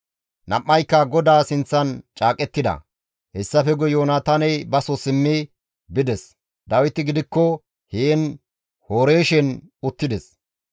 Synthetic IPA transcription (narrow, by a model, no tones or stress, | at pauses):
nɐʔːɐjkːɐɡɔd̪aːsɪnt͡sːɐnt͡ʃʼaːkʼɛt̪ːɪd̪ɐ̰ | hɛsːɐfɛɡɔjoːnɐt̪ɐnɛjbɐsɔsɪmːɪ | bɪd̪ɛs | d̪ɐwɪt̪ɪɡɪd̪ɪkːɔ | heːn | hoːɾe̞ːʃɛn | ʊt̪ːɪd̪ɛs